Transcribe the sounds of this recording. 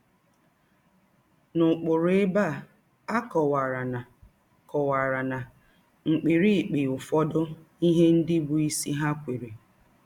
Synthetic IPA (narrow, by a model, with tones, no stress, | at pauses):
nʊ˨k͡pʊ˨ɾʊ˨˦e˦ba˦˨ | a˦kɔ˨wa˨ɾa˨na˨ | kɔ˨wa˨ɾa˨na˨ | ŋ͡m̩˨k͡pi˨ɾi˦˨k͡pi˨ʊ˨fɔ˦dʊ˦ | i˦ɦe˦n̩˦dɪ˦bʊ˨i˦si˦ɦa˦kʷe˨ɾe˨